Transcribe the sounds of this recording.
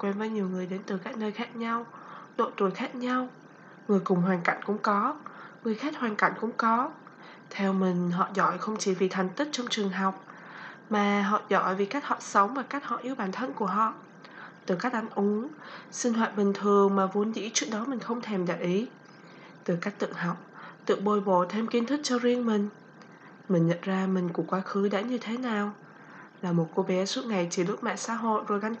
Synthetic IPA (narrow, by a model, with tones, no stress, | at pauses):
kwɛ˧nvəː˨˦jɲi˨˩əwŋɨ˨˩əjɗe˨˦nt̪ɨ˨˩kaː˦˥k̚nəː˧jxaː˦˥k̚ɲa˧wɗo̰˧˨t̪u˨˩əjxaː˦˥k̚ɲa˧w | ŋɨ˨˩əjkʊ˨˩ŋ͡mɦwaː˨˩nka̰˧˩jŋ̟kʊ̰˧˥ŋ͡mkɔ˨˦ŋɨ˨˩əjxaɛ˦˥t̚hwaː˨˩nka̰˧˩jŋ̟kʊ̰˧˥ŋ͡mkɔ˨˦ | t̪ʰɛ˧wmï˨˩ŋ̟ɦɔ̰˧˨zɔ̰˧˩jxə˧wŋ͡mt͡ɕi˧˩vi˨˩t̪ʰa˨˩jŋ̟t̪i˦˥k̚t͡ɕɔ˧wŋ͡mt͡ɕɨ˨˩əŋɦa˨˩wk͡p̚ | maː˨˩ɦɔ̰˧˨zɔ̰˧˩jvi˨˩ka˦˥k̚hɔ̰˧˨˩sə˨˦wŋ͡mvaː˨˩kaː˦˥k̟̚hɔ̰˧˨ʔi˧əwɓaː˧˩nt̪ʰə˧nku˧˩əɦɔ̰˧˨ | t̪ɨ˨˩kaː˦˥k̚ʔa˨˦ŋʔʊ˨˦ŋsï˧ŋ̟hwa̰ː˧˨t̚ɓï˨˩ŋ̟t̪ʰɨ˨˩əŋmaː˨˩vu˨˦ənzḭ˧˥t͡ɕɨ˦˥ək̚ɗɔ˨˦mï˨˩ŋ̟xə˧wŋ͡mt̪ʰe˧˩mɗa̰ː˧˩ʔi˨˦ | t̪ɨ˨˩kaː˦˥k̟̚t̪ɨ̰˧˨əŋɦa˨˩wk͡p̚t̪ɨ̰˧˨əŋ̚ɓo˨˩jɓo̰˧˨t̪ʰe˧mki˧nt̪ʰɨ˦˥k̚t͡ɕɔ˧zi˧əŋmï˨˩ŋ̟ | mï˨˩ŋ̟ɲə̰˧˨nzaː˧mï˨˩ŋ̟ku˧˩əkwaː˨˦xɨ˨˦ɗa̰ː˧˥ɲɨ˧t̪ʰe˨˦naː˨˩w | laː˨˩mo˨˩t̚ko˧ɓɛ˨˦su˦˥t̚ŋa˨˩jt͡ɕi˧˩lɨ˦˥ət̚mɛ̰˧˨sa̰ː˧˥ɦo̰˧˨jzo˨˩jɣa˧ŋ